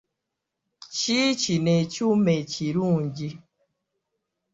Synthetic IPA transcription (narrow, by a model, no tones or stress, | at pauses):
t͡ʃiːt͡ʃinet͡ʃumet͡ʃiɾund͡ʒi